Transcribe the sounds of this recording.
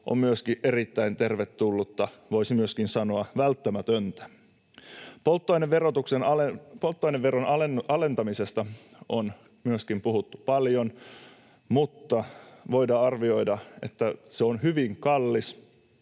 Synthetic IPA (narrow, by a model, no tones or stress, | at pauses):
ʔo̰mmyøskiʔe̞ɾit̪ːæint̪e̞rʋe̞t̪ːulːut̪ːɑʋo̞isimyøskinsɑnoɑʋælt̪ːæmæt̪ønt̪æ̥ | polt̪ːojneʋʋerot̪uksenɑlepolt̪ːoineʋʋeɾonɑeɑle̞nt̪ɑmise̞st̪ɑon | myøskimpuɦut̪ːu̥pɑljo̞n | mut̪ːɑʋo̞jdɑɑrʋio̞jdɑe̞t̪ːæseonhyʋiŋkɑlːis